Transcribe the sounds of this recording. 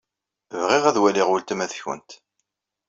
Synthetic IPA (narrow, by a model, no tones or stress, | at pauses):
vʁiʁæðwæliʁult̪əmæθçə̰nt̪